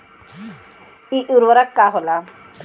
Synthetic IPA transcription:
iʔuɾʋəɾakːaɦola

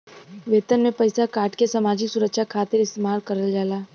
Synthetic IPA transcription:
ʋeːt̪ənmẽpɐɪsakaːʈkesɐmaːd͡ʒiksʊɾəkʃakʰaːt̪ɪɾɪst̪eːmaːɾkɐɾəld͡ʒaːlaː

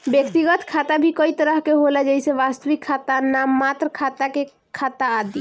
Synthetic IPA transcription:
bjəkt̪iɡət̪kʰat̪abʱikəit̪əɾəɦkeɦolɛd͡ʒəjseʋast̪əʋikʰːat̪anamːat̪ɾəkʰat̪ake | kʰːat̪aːd̪i

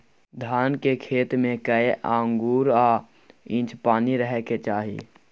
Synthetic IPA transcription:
d̪ʱaːnkekʰeːt̪mẽkəeʔãːŋɡuːɾaː | ɪ̃ːt͡ʃpaːniɾəɦɛket͡ʃaːɦḭ

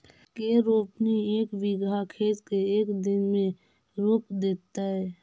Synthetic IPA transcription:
keɾoːpnieːkʋɪɡakʰeːt̪keeːkd̪ɪnmẽ | ɾʊpd̪eːt̪aɦɛː

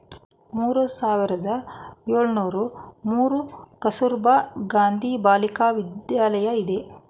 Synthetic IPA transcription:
muːɾusaːʋiɾɐd̪ɐjoːɭnuːɾumuːɾukɐsuɾbaɡaːnd̪ʱibaːlikaːʋid̪jaːlɐjɐid̪e̞

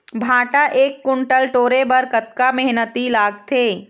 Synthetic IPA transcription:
bʱãːʈaʔeːkːʊ̃ɳʈəlʈoːɾebɐɾkət̪kamɛɦnət̪ilaːɡ̚t̪ʰeː

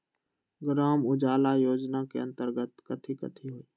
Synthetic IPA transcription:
ɡɾaːmʊd͡ʒaːlaːjoːd͡ʒnakeə̃nt̪əɾɡət̪kət̪ʰikə̰t̪ʰiɦoːiː

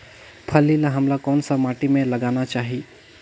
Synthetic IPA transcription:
pʰəlːilaɦəmlakɔːnsəmaːʈimẽləɡaːnat͡ʃaːɦi

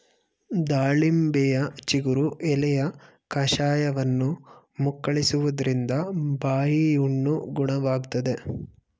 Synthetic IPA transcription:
d̪aːɭimbɛjɐt͡ʃiɡuɾuʔɛlɛjɐ | kɐʃaːjɐʋɐnːu | mukːɐɭisuʋud̪ɐɾind̪ɐbaːjijuɳːuɡuɳɐʋaːɡut̪ɐd̪e̞

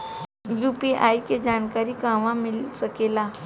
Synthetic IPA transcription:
juːpiʔa̰ːjked͡ʒaːnkaːɾikãːʋãmɪlsəkeːlaː

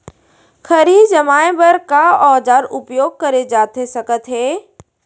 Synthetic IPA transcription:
xʰɐɾid͡ʒɐmaːẽbəɾkaɔːd͡ʒaːɾʊpjoːɡ̚kɐɾed͡ʒaːt̪ʰesɐkət̪ɦeː

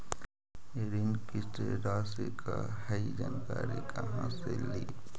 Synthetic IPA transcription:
eɾinkɪt̪eɾaːsekʰahɐid͡ʒaːnkaːɾekɐɦã̰seliː

